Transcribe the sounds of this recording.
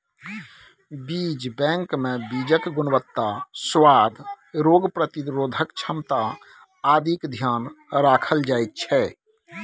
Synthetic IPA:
bid͡ʒbɛ̃ŋkmẽbid͡ʒəkɡʊnbət̪ːaswaːd̪ʱ | ɾoːɡpɾət̪iɾoːd̪ʱəkt͡ʃʰəmt̪a | ad̪ʱikd̪ʱjaːnɾaːkʰəld͡ʒaːet̪̚t͡ʃʰɛ

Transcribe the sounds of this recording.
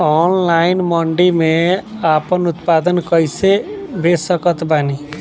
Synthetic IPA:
ɔnlajɪnmɔɳɖimeapənut̪pad̪ənkʌjsebesəkət̪bani

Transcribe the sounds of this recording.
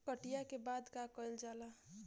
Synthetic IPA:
kəʈijakebad̪kakəjld͡ʒala

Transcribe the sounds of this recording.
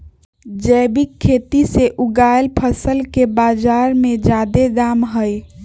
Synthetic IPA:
d͡ʒəbikʰːet̪iseʔuɡajlpʰəsəlkebad͡ʒaɾmed͡ʒad̪ed̪amɦəj

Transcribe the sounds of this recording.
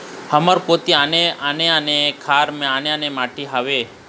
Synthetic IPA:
həməɾpot̪ianeaneənekʰaɾmẽaneənemaʈiɦaʋe

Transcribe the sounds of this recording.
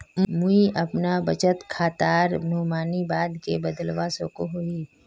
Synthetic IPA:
mũiʔɐpnabət͡ʃət̪kʰaːt̪aːɾnoːmaːnibaːd̪kebəd̪əlʋasokoɦoi

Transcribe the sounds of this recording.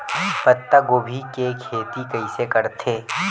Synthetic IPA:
pɐt̪ːaɡoːbʱikekʰeːt̪ikɐisekɐɾt̪ʰeː

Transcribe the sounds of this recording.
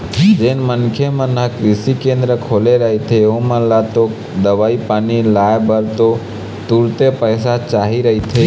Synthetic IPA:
d͡ʒenmənkʰjemənəkɾisikẽnd̪ɾəkʰoleɾəɦit̪ʰeõməlat̪o | d̪əʋaipanilaebəɾt̪o | t̪uɾt̪epəjsat͡ʃaɦiɾəɦit̪ʰe

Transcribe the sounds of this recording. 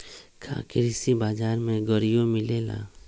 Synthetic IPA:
kʰa̰ːkɪɾɪsibaːd͡ʒaːɾmẽɡɔɾijomɪleːla̰ː

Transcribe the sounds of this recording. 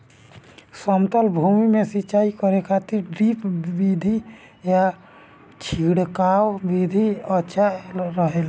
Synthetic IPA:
səmt̪əlbʱumimesitːt͡ʃaikəɾekʰat̪iɾɖɾipbid̪ʱi | ja | t͡ʃʰiɽkawbid̪ʱiətːʃʰaɾəɦel

